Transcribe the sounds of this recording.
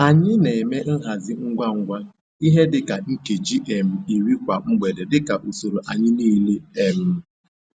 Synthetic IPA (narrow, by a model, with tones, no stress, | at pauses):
a˨ɲɪ˦ne˨e˨me˦n̩˦ɦa˨zɪ˦ŋ̩˦ɡʷa˦ŋ̩˦ɡʷa˦ | i˦ɦe˦dɪ˨˦ka˨ŋ̩˦ke˨d͡ʒi˦ʔe˨m̩˨i˨ɾi˦kʷa˨ŋ͡m̩˦ɡ͡be˨de˨dɪ˦ka˨ʔu˨so˨ɾo˨ʔa˨ɲɪ˦niː˦le˦e˨m̩˦